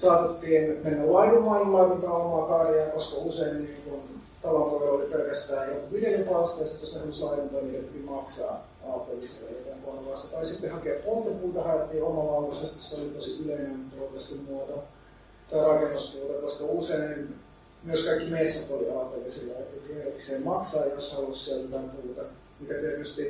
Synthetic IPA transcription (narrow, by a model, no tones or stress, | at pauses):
sɑːt̪et̪ːiːnmenːællɑiʋumɑnmːɑːk̪unt̪ɑːomɑkɑjɑːkoskɑuseinniːŋkun | t̪ɑlont̪oʋeoliperkæst̪æːjjokuʋidejɑt̪ɑːst̪ɑsit̪jost̪ehnyslɑikunt̪oːniːt̪æpit̪imɑksɑ̰ː | ɑːt̪ːˑelːˑis | ḛlt̪æmkonoʋɑst̪ɑt̪ɑisit̪ːehɑkeɑppolt̪epuːt̪ɑhɑjɑt̪ːiːomɑlɑut̪ɑsest̪isːeolit̪osiyleinempolt̪ɑst̪immuot̪o | t̪ɑirɑkenːuspuːt̪ɑkoskɑuseinin | myøskɑikːimet̪sːɑt̪oliɑːt̪ːelisilːæet̪ːæt̪ihelkiseːmmɑksɑːjoshɑolːussielt̪ɑimpuːt̪ɑ | mit̪æt̪iet̪yst̪i